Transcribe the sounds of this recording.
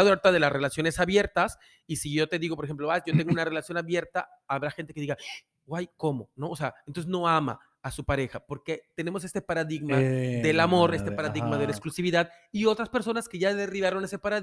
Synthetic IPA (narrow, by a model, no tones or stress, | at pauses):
ðoaɾt̪aðe̞lasre̞lasjone̞saβje̞ɾt̪as | isiʝo̞t̪e̞ðiɣopoɾxemplo̞βasʝo̞t̪e̞ŋɡounare̞lasjo̞naβje̞ɾt̪aː | βɾaxent̪e̞ke̞ðiɣa | ɡwajko̞mo̞̰no̞ose̞aent̪ons̬esno̞ama̰ː | supaɾe̞xapo̞ɾke̞t̪e̞ne̞mos̬e̞st̪e̞paɾaðiɣmaðe̞lamo̞ɾe̞st̪epaɾaðiɣmaðelaeksklusiβiðað | io̞t̪ɾaspeɾso̞naske̞ʝaðeriβaɾo̞ne̞sepaɾa